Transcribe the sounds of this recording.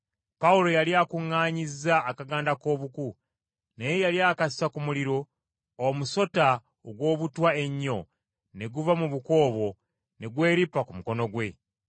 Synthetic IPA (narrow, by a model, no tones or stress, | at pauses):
paulo̞jaliakuŋːaːɲizaːkaɡaːndako̞ːβuku | nejejaliakasi̥sakumuliɾo̞ː | muso̞ta | oɡwo̞ːβutwae̞ɲːo̞ | ne̞ɡuvamuβuko̞ːβo̞ | ne̞ɡwe̞ːɾipakumuko̞no̞ɡwe̞